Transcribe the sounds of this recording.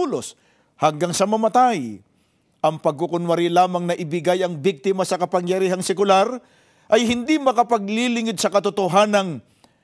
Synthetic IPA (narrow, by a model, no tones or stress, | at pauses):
ulos | hɐŋɡaŋsɐmɐmɐt̪aj | ʔɐŋpɐɡ̚kʊkʊnwɐɾilaːmɐŋnɐʔɪbɪɡajɐŋbik̚t̪ɪmɐsɐkɐpɐŋjɐɾiːɦɐŋsɛkʊlaɾ | ʔɐjhɪnd̪imɐkɐpɐɡ̚lilɪŋɪd̪̚sɐkɐt̪ʊt̪oɦaːnɐŋ